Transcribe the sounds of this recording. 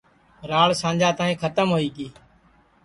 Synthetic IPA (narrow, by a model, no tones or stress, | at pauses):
ɾaːɭsãːnd͡ʒaːt̪ãːĩːkʰət̪əmɦoːiːkiː